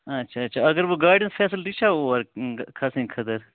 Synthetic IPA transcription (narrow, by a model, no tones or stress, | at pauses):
ɐtːʃʰaɐːʃʰaɐɡəɾʋoɡaːjɖənsfʰɛːsəlʈit͡ʃʰaoɐɾkʰɐsĩkʰɐt̪ɐɾ